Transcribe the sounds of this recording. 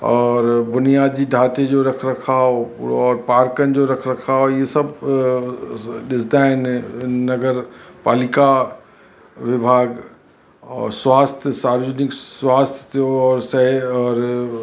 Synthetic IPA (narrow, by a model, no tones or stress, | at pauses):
ɔːɾbʊnijaːd̪d͡ʑiɖʱaːt̪ed͡ʑoɾɐkʰɾɐkʰaːoɔːɾpaːɾkənd͡ʑoɾɐkʰɾɐkʰaːojesɐb | ɗɪsd̪aɦɪnːɐɡəɾpaːlɪka | ʋɪbʱaːɡ | ɔ̰ːɾswaːst̪ʰjsaːɾəd͡ʑənɪkswaːst̪ʰjə̥t̪ʰoɔːɾsɐɦɔːɾ